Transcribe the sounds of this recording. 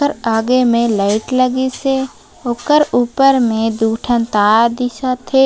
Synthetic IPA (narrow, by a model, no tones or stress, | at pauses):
əɾaːɡemẽlaɪʈləɡise | oːkəɾuːpəɾmẽd̪uːʈʰənt̪aːd̪ɪʃat̪ʰe